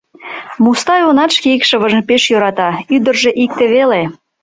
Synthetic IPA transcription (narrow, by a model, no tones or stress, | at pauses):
must̪ɑjonɑt̪ʃkeikʃəβəʒə̆npeʃjøɾɑt̪ɑyd̪ərʒeʔik̚t̪eβele